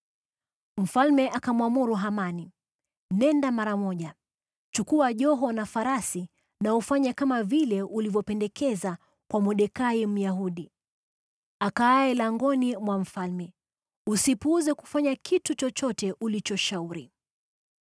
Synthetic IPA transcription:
m̩falmɛʔakamwamuɾuɦamani | nɛndamaɾamɔʄa | t͡ʃukuaʄɔɦɔnafaɾasi | naufaɲakamavilɛʔulivjɔpɛndɛkɛza | kwamuɗɛkaim̩jaɦuɗi | akaːɛlaŋɡɔnimwam̩falmɛ | usipuuzɛku̥faɲakʰitut͡ʃɔt͡ʃɔtɛʔulit͡ʃɔʃauɾi

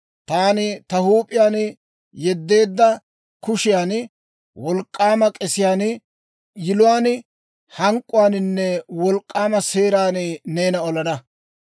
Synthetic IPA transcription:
t̪aːnɪt̪ɐhuːpʼɪjaːn | jɛd̪ːe̞ːd̪ːɐ | kʊʃɪjaːn | wɔlkʼːaːmɐkʼɛsɪjaːnɪ | jɪlʊwaːn | hɐŋkʼːʊwaːnɪnːɛwɔlkʼːaːmɐse̞ːɾaːnɪne̞ːnɐɔlɐnɐ

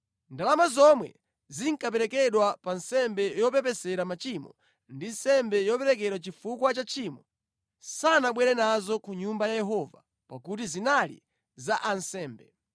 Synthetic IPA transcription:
ndalamazɔmwɛ̰ | ziŋ̩kap̬ɛɾɛkɛɗwapansɛmbɛjɔpɛpɛsɛɾamat͡ʃimɔ̰ | ndinsɛmbɛjɔpɛɾɛk̬ɛɾwat͡ʃifukwat͡ʃat͡ʃʰiːmɔ | sanaɓwɛɾɛnazɔkuɲumbajajɛɦɔva | pakut̬izinalḭ | zaʔansɛːmbɛ

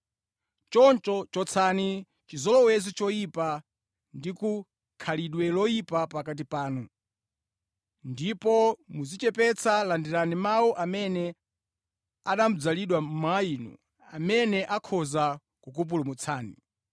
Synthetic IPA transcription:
t͡ʃɔnt͡ʃɔt͡ʃɔt͡sʰani | t͡ʃizɔlɔwɛzit͡ʃɔipa | ndiku | kʰaliɗwɛlɔipapakat̬ipaːnu | ndipɔmuzit͡ʃɛpɛt͡sʰalandiɾanimawɔʔamɛnɛ | aɗam̩d͡zaliɗwamajiːnṵ | amɛnɛʔakʰɔza | kukup̬ulumut͡sʰaːnḭ

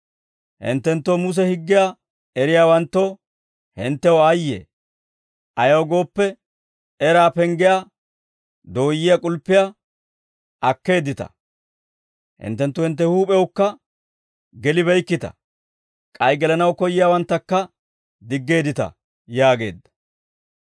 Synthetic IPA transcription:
hɪ̰nt̪ːɛnt̪ːoːmʊs̬ɛhɪɡːɪja | ɛɾɪjaːwɐnt̪ːo̞ː | hɪnt̪ːɛwɔɐjːḛː | ʔɐjɐwɡo̞ːpːɛ | ɛɾaːpɛŋɡɪja | d̪o̞ːjːɪjakʼʊlpːɪja | ʔɐkːe̞ːd̪ɪt̪ɐ̰ | hɪ̰nt̪ːɛnt̪ːʊhɪnt̪̬ːɛhuːpʼɛwʊkːɐ | ɡɛlɪβɛjkːɪt̪ɐ̰ | kʼɐjɡɛlɐnɐwkɔjːɪjaːwɐnt̪ːɐkːɐ | d̪ɪɡːe̞ːd̪ɪt̪ɐ̰ | jaːɡe̞ːd̪ːɐ̥

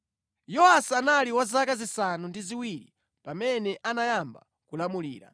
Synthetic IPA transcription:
jɔhasianaliwazakazisanundiziwiɾḭ | pamɛnɛʔanajamba | kulamulḭːɾa̰

